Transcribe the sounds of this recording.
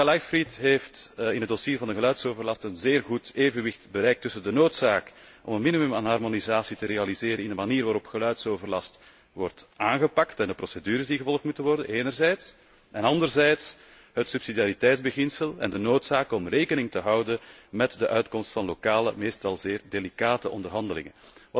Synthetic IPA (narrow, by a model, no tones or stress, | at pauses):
alajfɾitɦeːftɪnədosiːrvɑndəɣəlœɥtsoːvərlɑstənzeːrɣuteːvənʋɪxtbəɾɛjk̚tʏsəndənoːtsaːk | ʔɔ̰mənminimymanɦɑrmonizaːsitəɾeɑlizeːɾənɪndəmaniːrʋaːɾɔpxəlœɥtsoːvərlɑst | ʋɔrtaːnɣəpɑktɛndəprɔsedyːɾəzdiɣəvɔlˠəxtmutənʋɔrdənʔeːnərzɛjts | ʔɛnɑndərzɛjts | ɦətsypsidijaːɾitɛjdzbəɣɪnsəlɛ̰ndənoːtsaːkɔmreːkənɪŋtəɦɑwdəmɛtdəʔœɥtkɔmstfɑnlokaːlə̰meːstɑlˠzeːrdelikaːtəʔɔndərɦɑndəlɪ̰ŋə̰nʋɑ